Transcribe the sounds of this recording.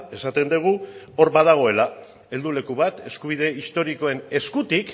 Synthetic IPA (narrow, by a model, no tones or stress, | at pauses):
e̞sat̪e̞nd̪uɣ̞u | o̞ɾβaðaɣ̞o̞e̞la | e̞ld̪ule̞kuβat̪e̞skuβ̞ið̞e̞ist̪o̞ɾiko̞e̞ne̞skut̪ik